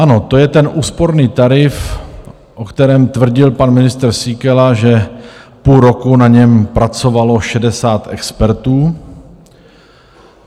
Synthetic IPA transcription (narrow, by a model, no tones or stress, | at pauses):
ʔano̞t̪ojɛt̪ɛnʔuːspo̞ɾniːt̪aɾɪf | ʔo̞kt̪ɛɾɛːmt̪vr̩ɟɪlpanmɪnɪst̪rsiːkɛlaʒɛpuːlɾo̞kunaɲɛmpɾat͡so̞valo̞ʃɛdɛsaːt̪ʔɛkspɛɾt̪uː